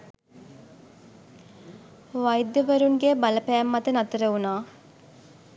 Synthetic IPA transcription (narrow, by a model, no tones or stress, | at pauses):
ʋajd̪ːəʋəɾuŋɡebaləpæːmːat̪ənat̪əɾəunaː